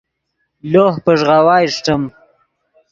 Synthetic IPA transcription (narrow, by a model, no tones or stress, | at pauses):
loːhpəʐʁawɑːjʂʈəm